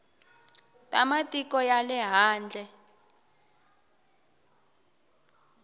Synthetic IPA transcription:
tʼamatʼikɔjalɛɦaːnd͡ɮʱɛ

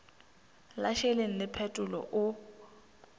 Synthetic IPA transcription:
laʃeleŋ̩lɪpʰɛtʼʊlɔ̰ʔʊ

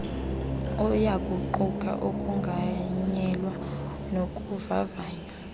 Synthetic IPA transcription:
ɔjakʼuǃukʼʰa̰ʔokʼuŋɡʱaɲɛlwa | nokʼuva̰vaːna

